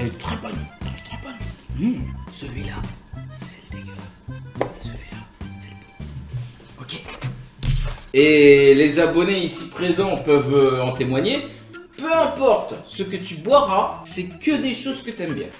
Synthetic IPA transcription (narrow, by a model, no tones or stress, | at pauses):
ɛlt̪χɛbɔnɛ̰lt̪χɛbɔn | səlɥilasɛ̥ld̪eɡlasəlɥilasɛləb | ɔkʲe | elezabɔneisipχezɑ̃pœvøɑ̃t̪emwaɲe | pøɛ̃pɔʁt̪səkət̪ybwaʁasɛkəd̪eʃozkət̪yɛmbjɛ̃